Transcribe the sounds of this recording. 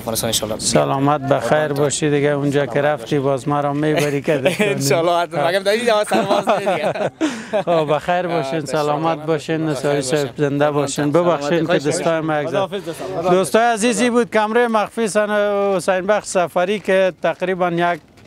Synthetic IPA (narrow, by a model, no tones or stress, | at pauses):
salɔmat̪̚baxajɾbɔʃid̪ɪɡaund͡ʒɔkɪɾaft̪ibɔzmaɾɔmebaɾikad̪nɔlːɔamaɡamd̪aid̪aɔs | xobaxajɾbɔʃensalɔmat̪̚bɔʃenːɪsɔisabzɪnd̪abɔʃenbɪbaxʃenkɪd̪ʊst̪ɔjmajaɡzad̪ost̪ɔjazizibud̪̚kamɾemaxfisanʊsajnbaxʃsafaɾikɪt̪aqɾibanjaɡ̚